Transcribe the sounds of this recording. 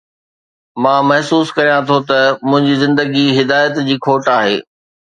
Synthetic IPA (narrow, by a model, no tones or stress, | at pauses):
mãːmɐɦsuːskɐɾijãt̪ʰot̪ɐmʊ̃ɦɪ̃ɲd͡ʑiːzɪ̃nd̪əɡiɦɪd̪aːjət̪d͡ʑiːkʰoːʈaːɦḛː